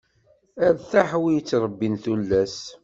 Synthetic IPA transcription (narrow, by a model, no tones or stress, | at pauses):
æðθaħwijət͡sːɾˤəbːinθulːæs